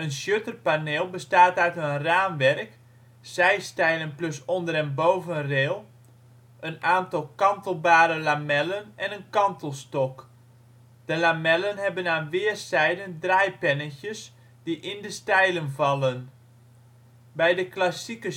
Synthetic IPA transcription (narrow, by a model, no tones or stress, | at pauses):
ənsjøtərpaneːlˠbəstaːtœɥtənraːnʋɛrk | sɛjstɛjlənplɵsɔndəɾɛnbowvənreːlˠ | ʔənaːntɑlˠkɑntəlˠbaːɾəlamɛlənɛnənkɑntəlˠstɔk | d̥əlamɛlənɦɛbənaːnʋɪərsɛjdəndrɛjpɛnəçjəs | diʔɪndəstɛjlənvɑlˠən | bɛjdəklasikə